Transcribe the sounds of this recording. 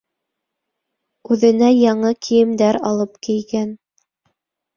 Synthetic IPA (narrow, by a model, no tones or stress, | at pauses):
ʉðɘ̆næjɑɴɤkʰijɘ̆md̪æɾɑlˠɤpkij̪ɡæn